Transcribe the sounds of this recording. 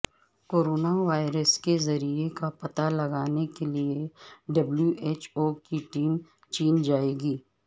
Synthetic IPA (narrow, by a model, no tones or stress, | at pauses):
koːɾoːnaʋaːɪɾəskezɐɾiekapɐt̪alɐɡaːnekelieɖɐbljuʔeːt͡ʃoːkiʈiːm | t͡ʃiːnd͡ʒaːeːɡiː